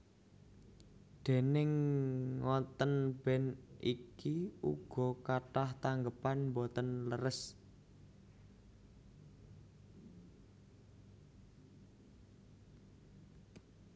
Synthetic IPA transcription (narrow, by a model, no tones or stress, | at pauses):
d̪̥e̤nɪŋː | ɔt̪ənb̥ɛnʔikiṵɡ̥ɔ̤kaʈaht̪aŋɡəpanmbɔt̪ənləɾəs